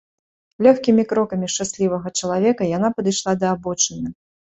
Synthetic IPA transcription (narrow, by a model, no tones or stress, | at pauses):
lʲɔxkʲimʲikɾɔkɐmʲiʂt͡ʂasʲlʲivɐɣɐt͡ʂɐlˠavʲɛkɐjan̪apɐd̪ɨjʂlˠad̪ɐːbɔt͡ʂɨnʲːɐ